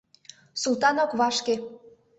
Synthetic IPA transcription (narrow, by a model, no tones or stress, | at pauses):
sulˠt̪ɑnokβɑʃke